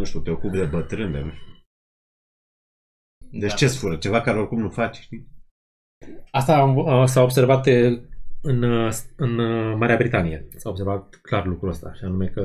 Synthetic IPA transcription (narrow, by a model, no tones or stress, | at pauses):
nuʃt̪ut̪eokupd̪e̞bət̪ɾɨnlenuu | d̪et͡ʃt͡ʃe̞sfuɾət͡ʃe̞vakaɾeo̞rkumnufat͡ʃʃt̪i | ast̪amsaobse̞rvat̪ | ɨnɨnmaɾeabɾit̪anijesaobs̬e̞rvat̪̚klarlukɾuəst̪aʃianume̞kə